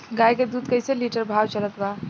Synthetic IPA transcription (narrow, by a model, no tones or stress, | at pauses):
ɡajked̪uːd̪kəjseliʈəɾbʱawt͡ʃələt̪ba